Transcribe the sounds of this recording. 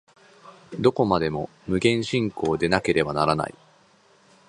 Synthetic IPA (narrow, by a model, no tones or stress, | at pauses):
d̪o̞ko̞mad̪e̞mo̞ | mɯ̟ɡẽ̞ɰ̃ɕĩŋko̞ːd̪e̞nake̞ɾe̞banaɾana̰ḭ